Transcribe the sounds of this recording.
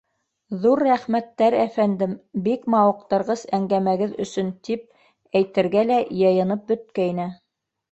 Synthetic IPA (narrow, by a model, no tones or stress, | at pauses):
ðuɾːæχmæt̪ːæɾæfænd̪ɘmbikmɑwɤ̆q̚t̪ɤ̆ɾʁɤzæŋɡæmæɡɘðɵ̆sɵnt̪ip̚ | æjt̪ɘ̆ɾɡælæjɤ̆jɤ̆nɤp̚bɵ̆t̪̚kæinɘ